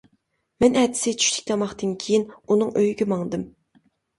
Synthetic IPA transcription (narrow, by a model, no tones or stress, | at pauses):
mɛnɛt̪ʰɪ̥sɪt͡ʃʰy̥ʃt̪ʰi̥kʲlɑmɑχt̪ɨnkʲʰejinunɨŋøjɡʲɛmɑŋd̪ɨm